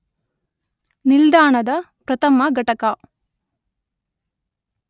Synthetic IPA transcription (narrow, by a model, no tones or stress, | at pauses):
nild̪aːɳɐd̪ɐ | pɾɐt̪ɐmɐɡɐʈɐkɐ